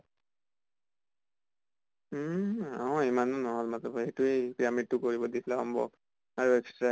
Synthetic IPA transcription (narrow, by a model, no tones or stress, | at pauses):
aɔ̃imanɔnɔɦɔlmatɔbejtuekiɹamitːʊkoɹibɔdisʰlaɔmbɔ̰ | aɹuɛkstɹa